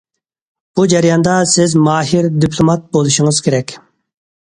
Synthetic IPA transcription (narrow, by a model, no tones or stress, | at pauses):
b̥ud͡ʒɛɾijɑnd̪ɑsɪzmɑːɦiɾd̪ipʰlˠomɑt̪̚bolˠuʃɪŋɨzkʲʰeɾɛkʲ